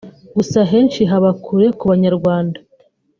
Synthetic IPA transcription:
ɡusaɦe̞ːnʃiɦaβakʰuɾe̞kuβaɲaɾɡwaːndḁ

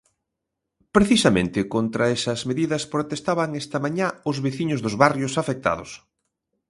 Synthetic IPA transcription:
pɾeθisɐmḛ̃nt̪ɪkont̪ɾɐesɐzmeðiðɐspɾot̪est̪aβɐŋest̪ɐmaɲaʊzβeθiɲʊzðʊzβarjosafek̚t̪a̰ðʊ̰s

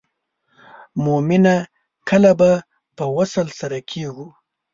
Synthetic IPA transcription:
momɪna | kʰəlaba | pəwasəlsaɾakʰeɡu

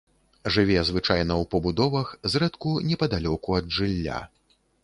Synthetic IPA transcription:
ʐɨvʲɛzvɨt͡ʂajnɐwpɐbud̪ɔvɐxzrɛt̪kunʲɛpɐd̪alʲɔkuɐd̪ʐɨlʲːa̰

